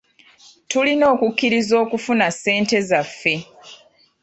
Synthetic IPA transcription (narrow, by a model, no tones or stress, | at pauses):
tulino̞ːkukːiɾizo̞ːkufunase̞ːnte̞zafːe̞